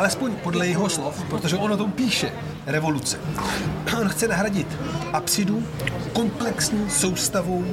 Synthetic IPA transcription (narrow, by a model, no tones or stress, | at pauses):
ʔalɛspo̞ɲpo̞dlɛjɛɦo̞slofpɾot̪o̞ʒɛʔo̞not̪o̞mpiːʃɛ | ɾɛvo̞lut͡sɛ̥ | ʔo̞nxt͡sɛnaɦɾaɟɪt̪ʔapsɪduko̞mplɛksɲiːso̞wst̪avuw